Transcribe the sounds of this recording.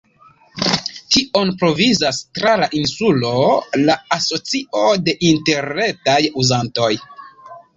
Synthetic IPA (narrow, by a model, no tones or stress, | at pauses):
tiʔo̞npɾo̞vizastɾalaʔinsulo̞laaso̞t͡siʔo̞de̞ʔinte̞ɾne̞tajuzanto̞j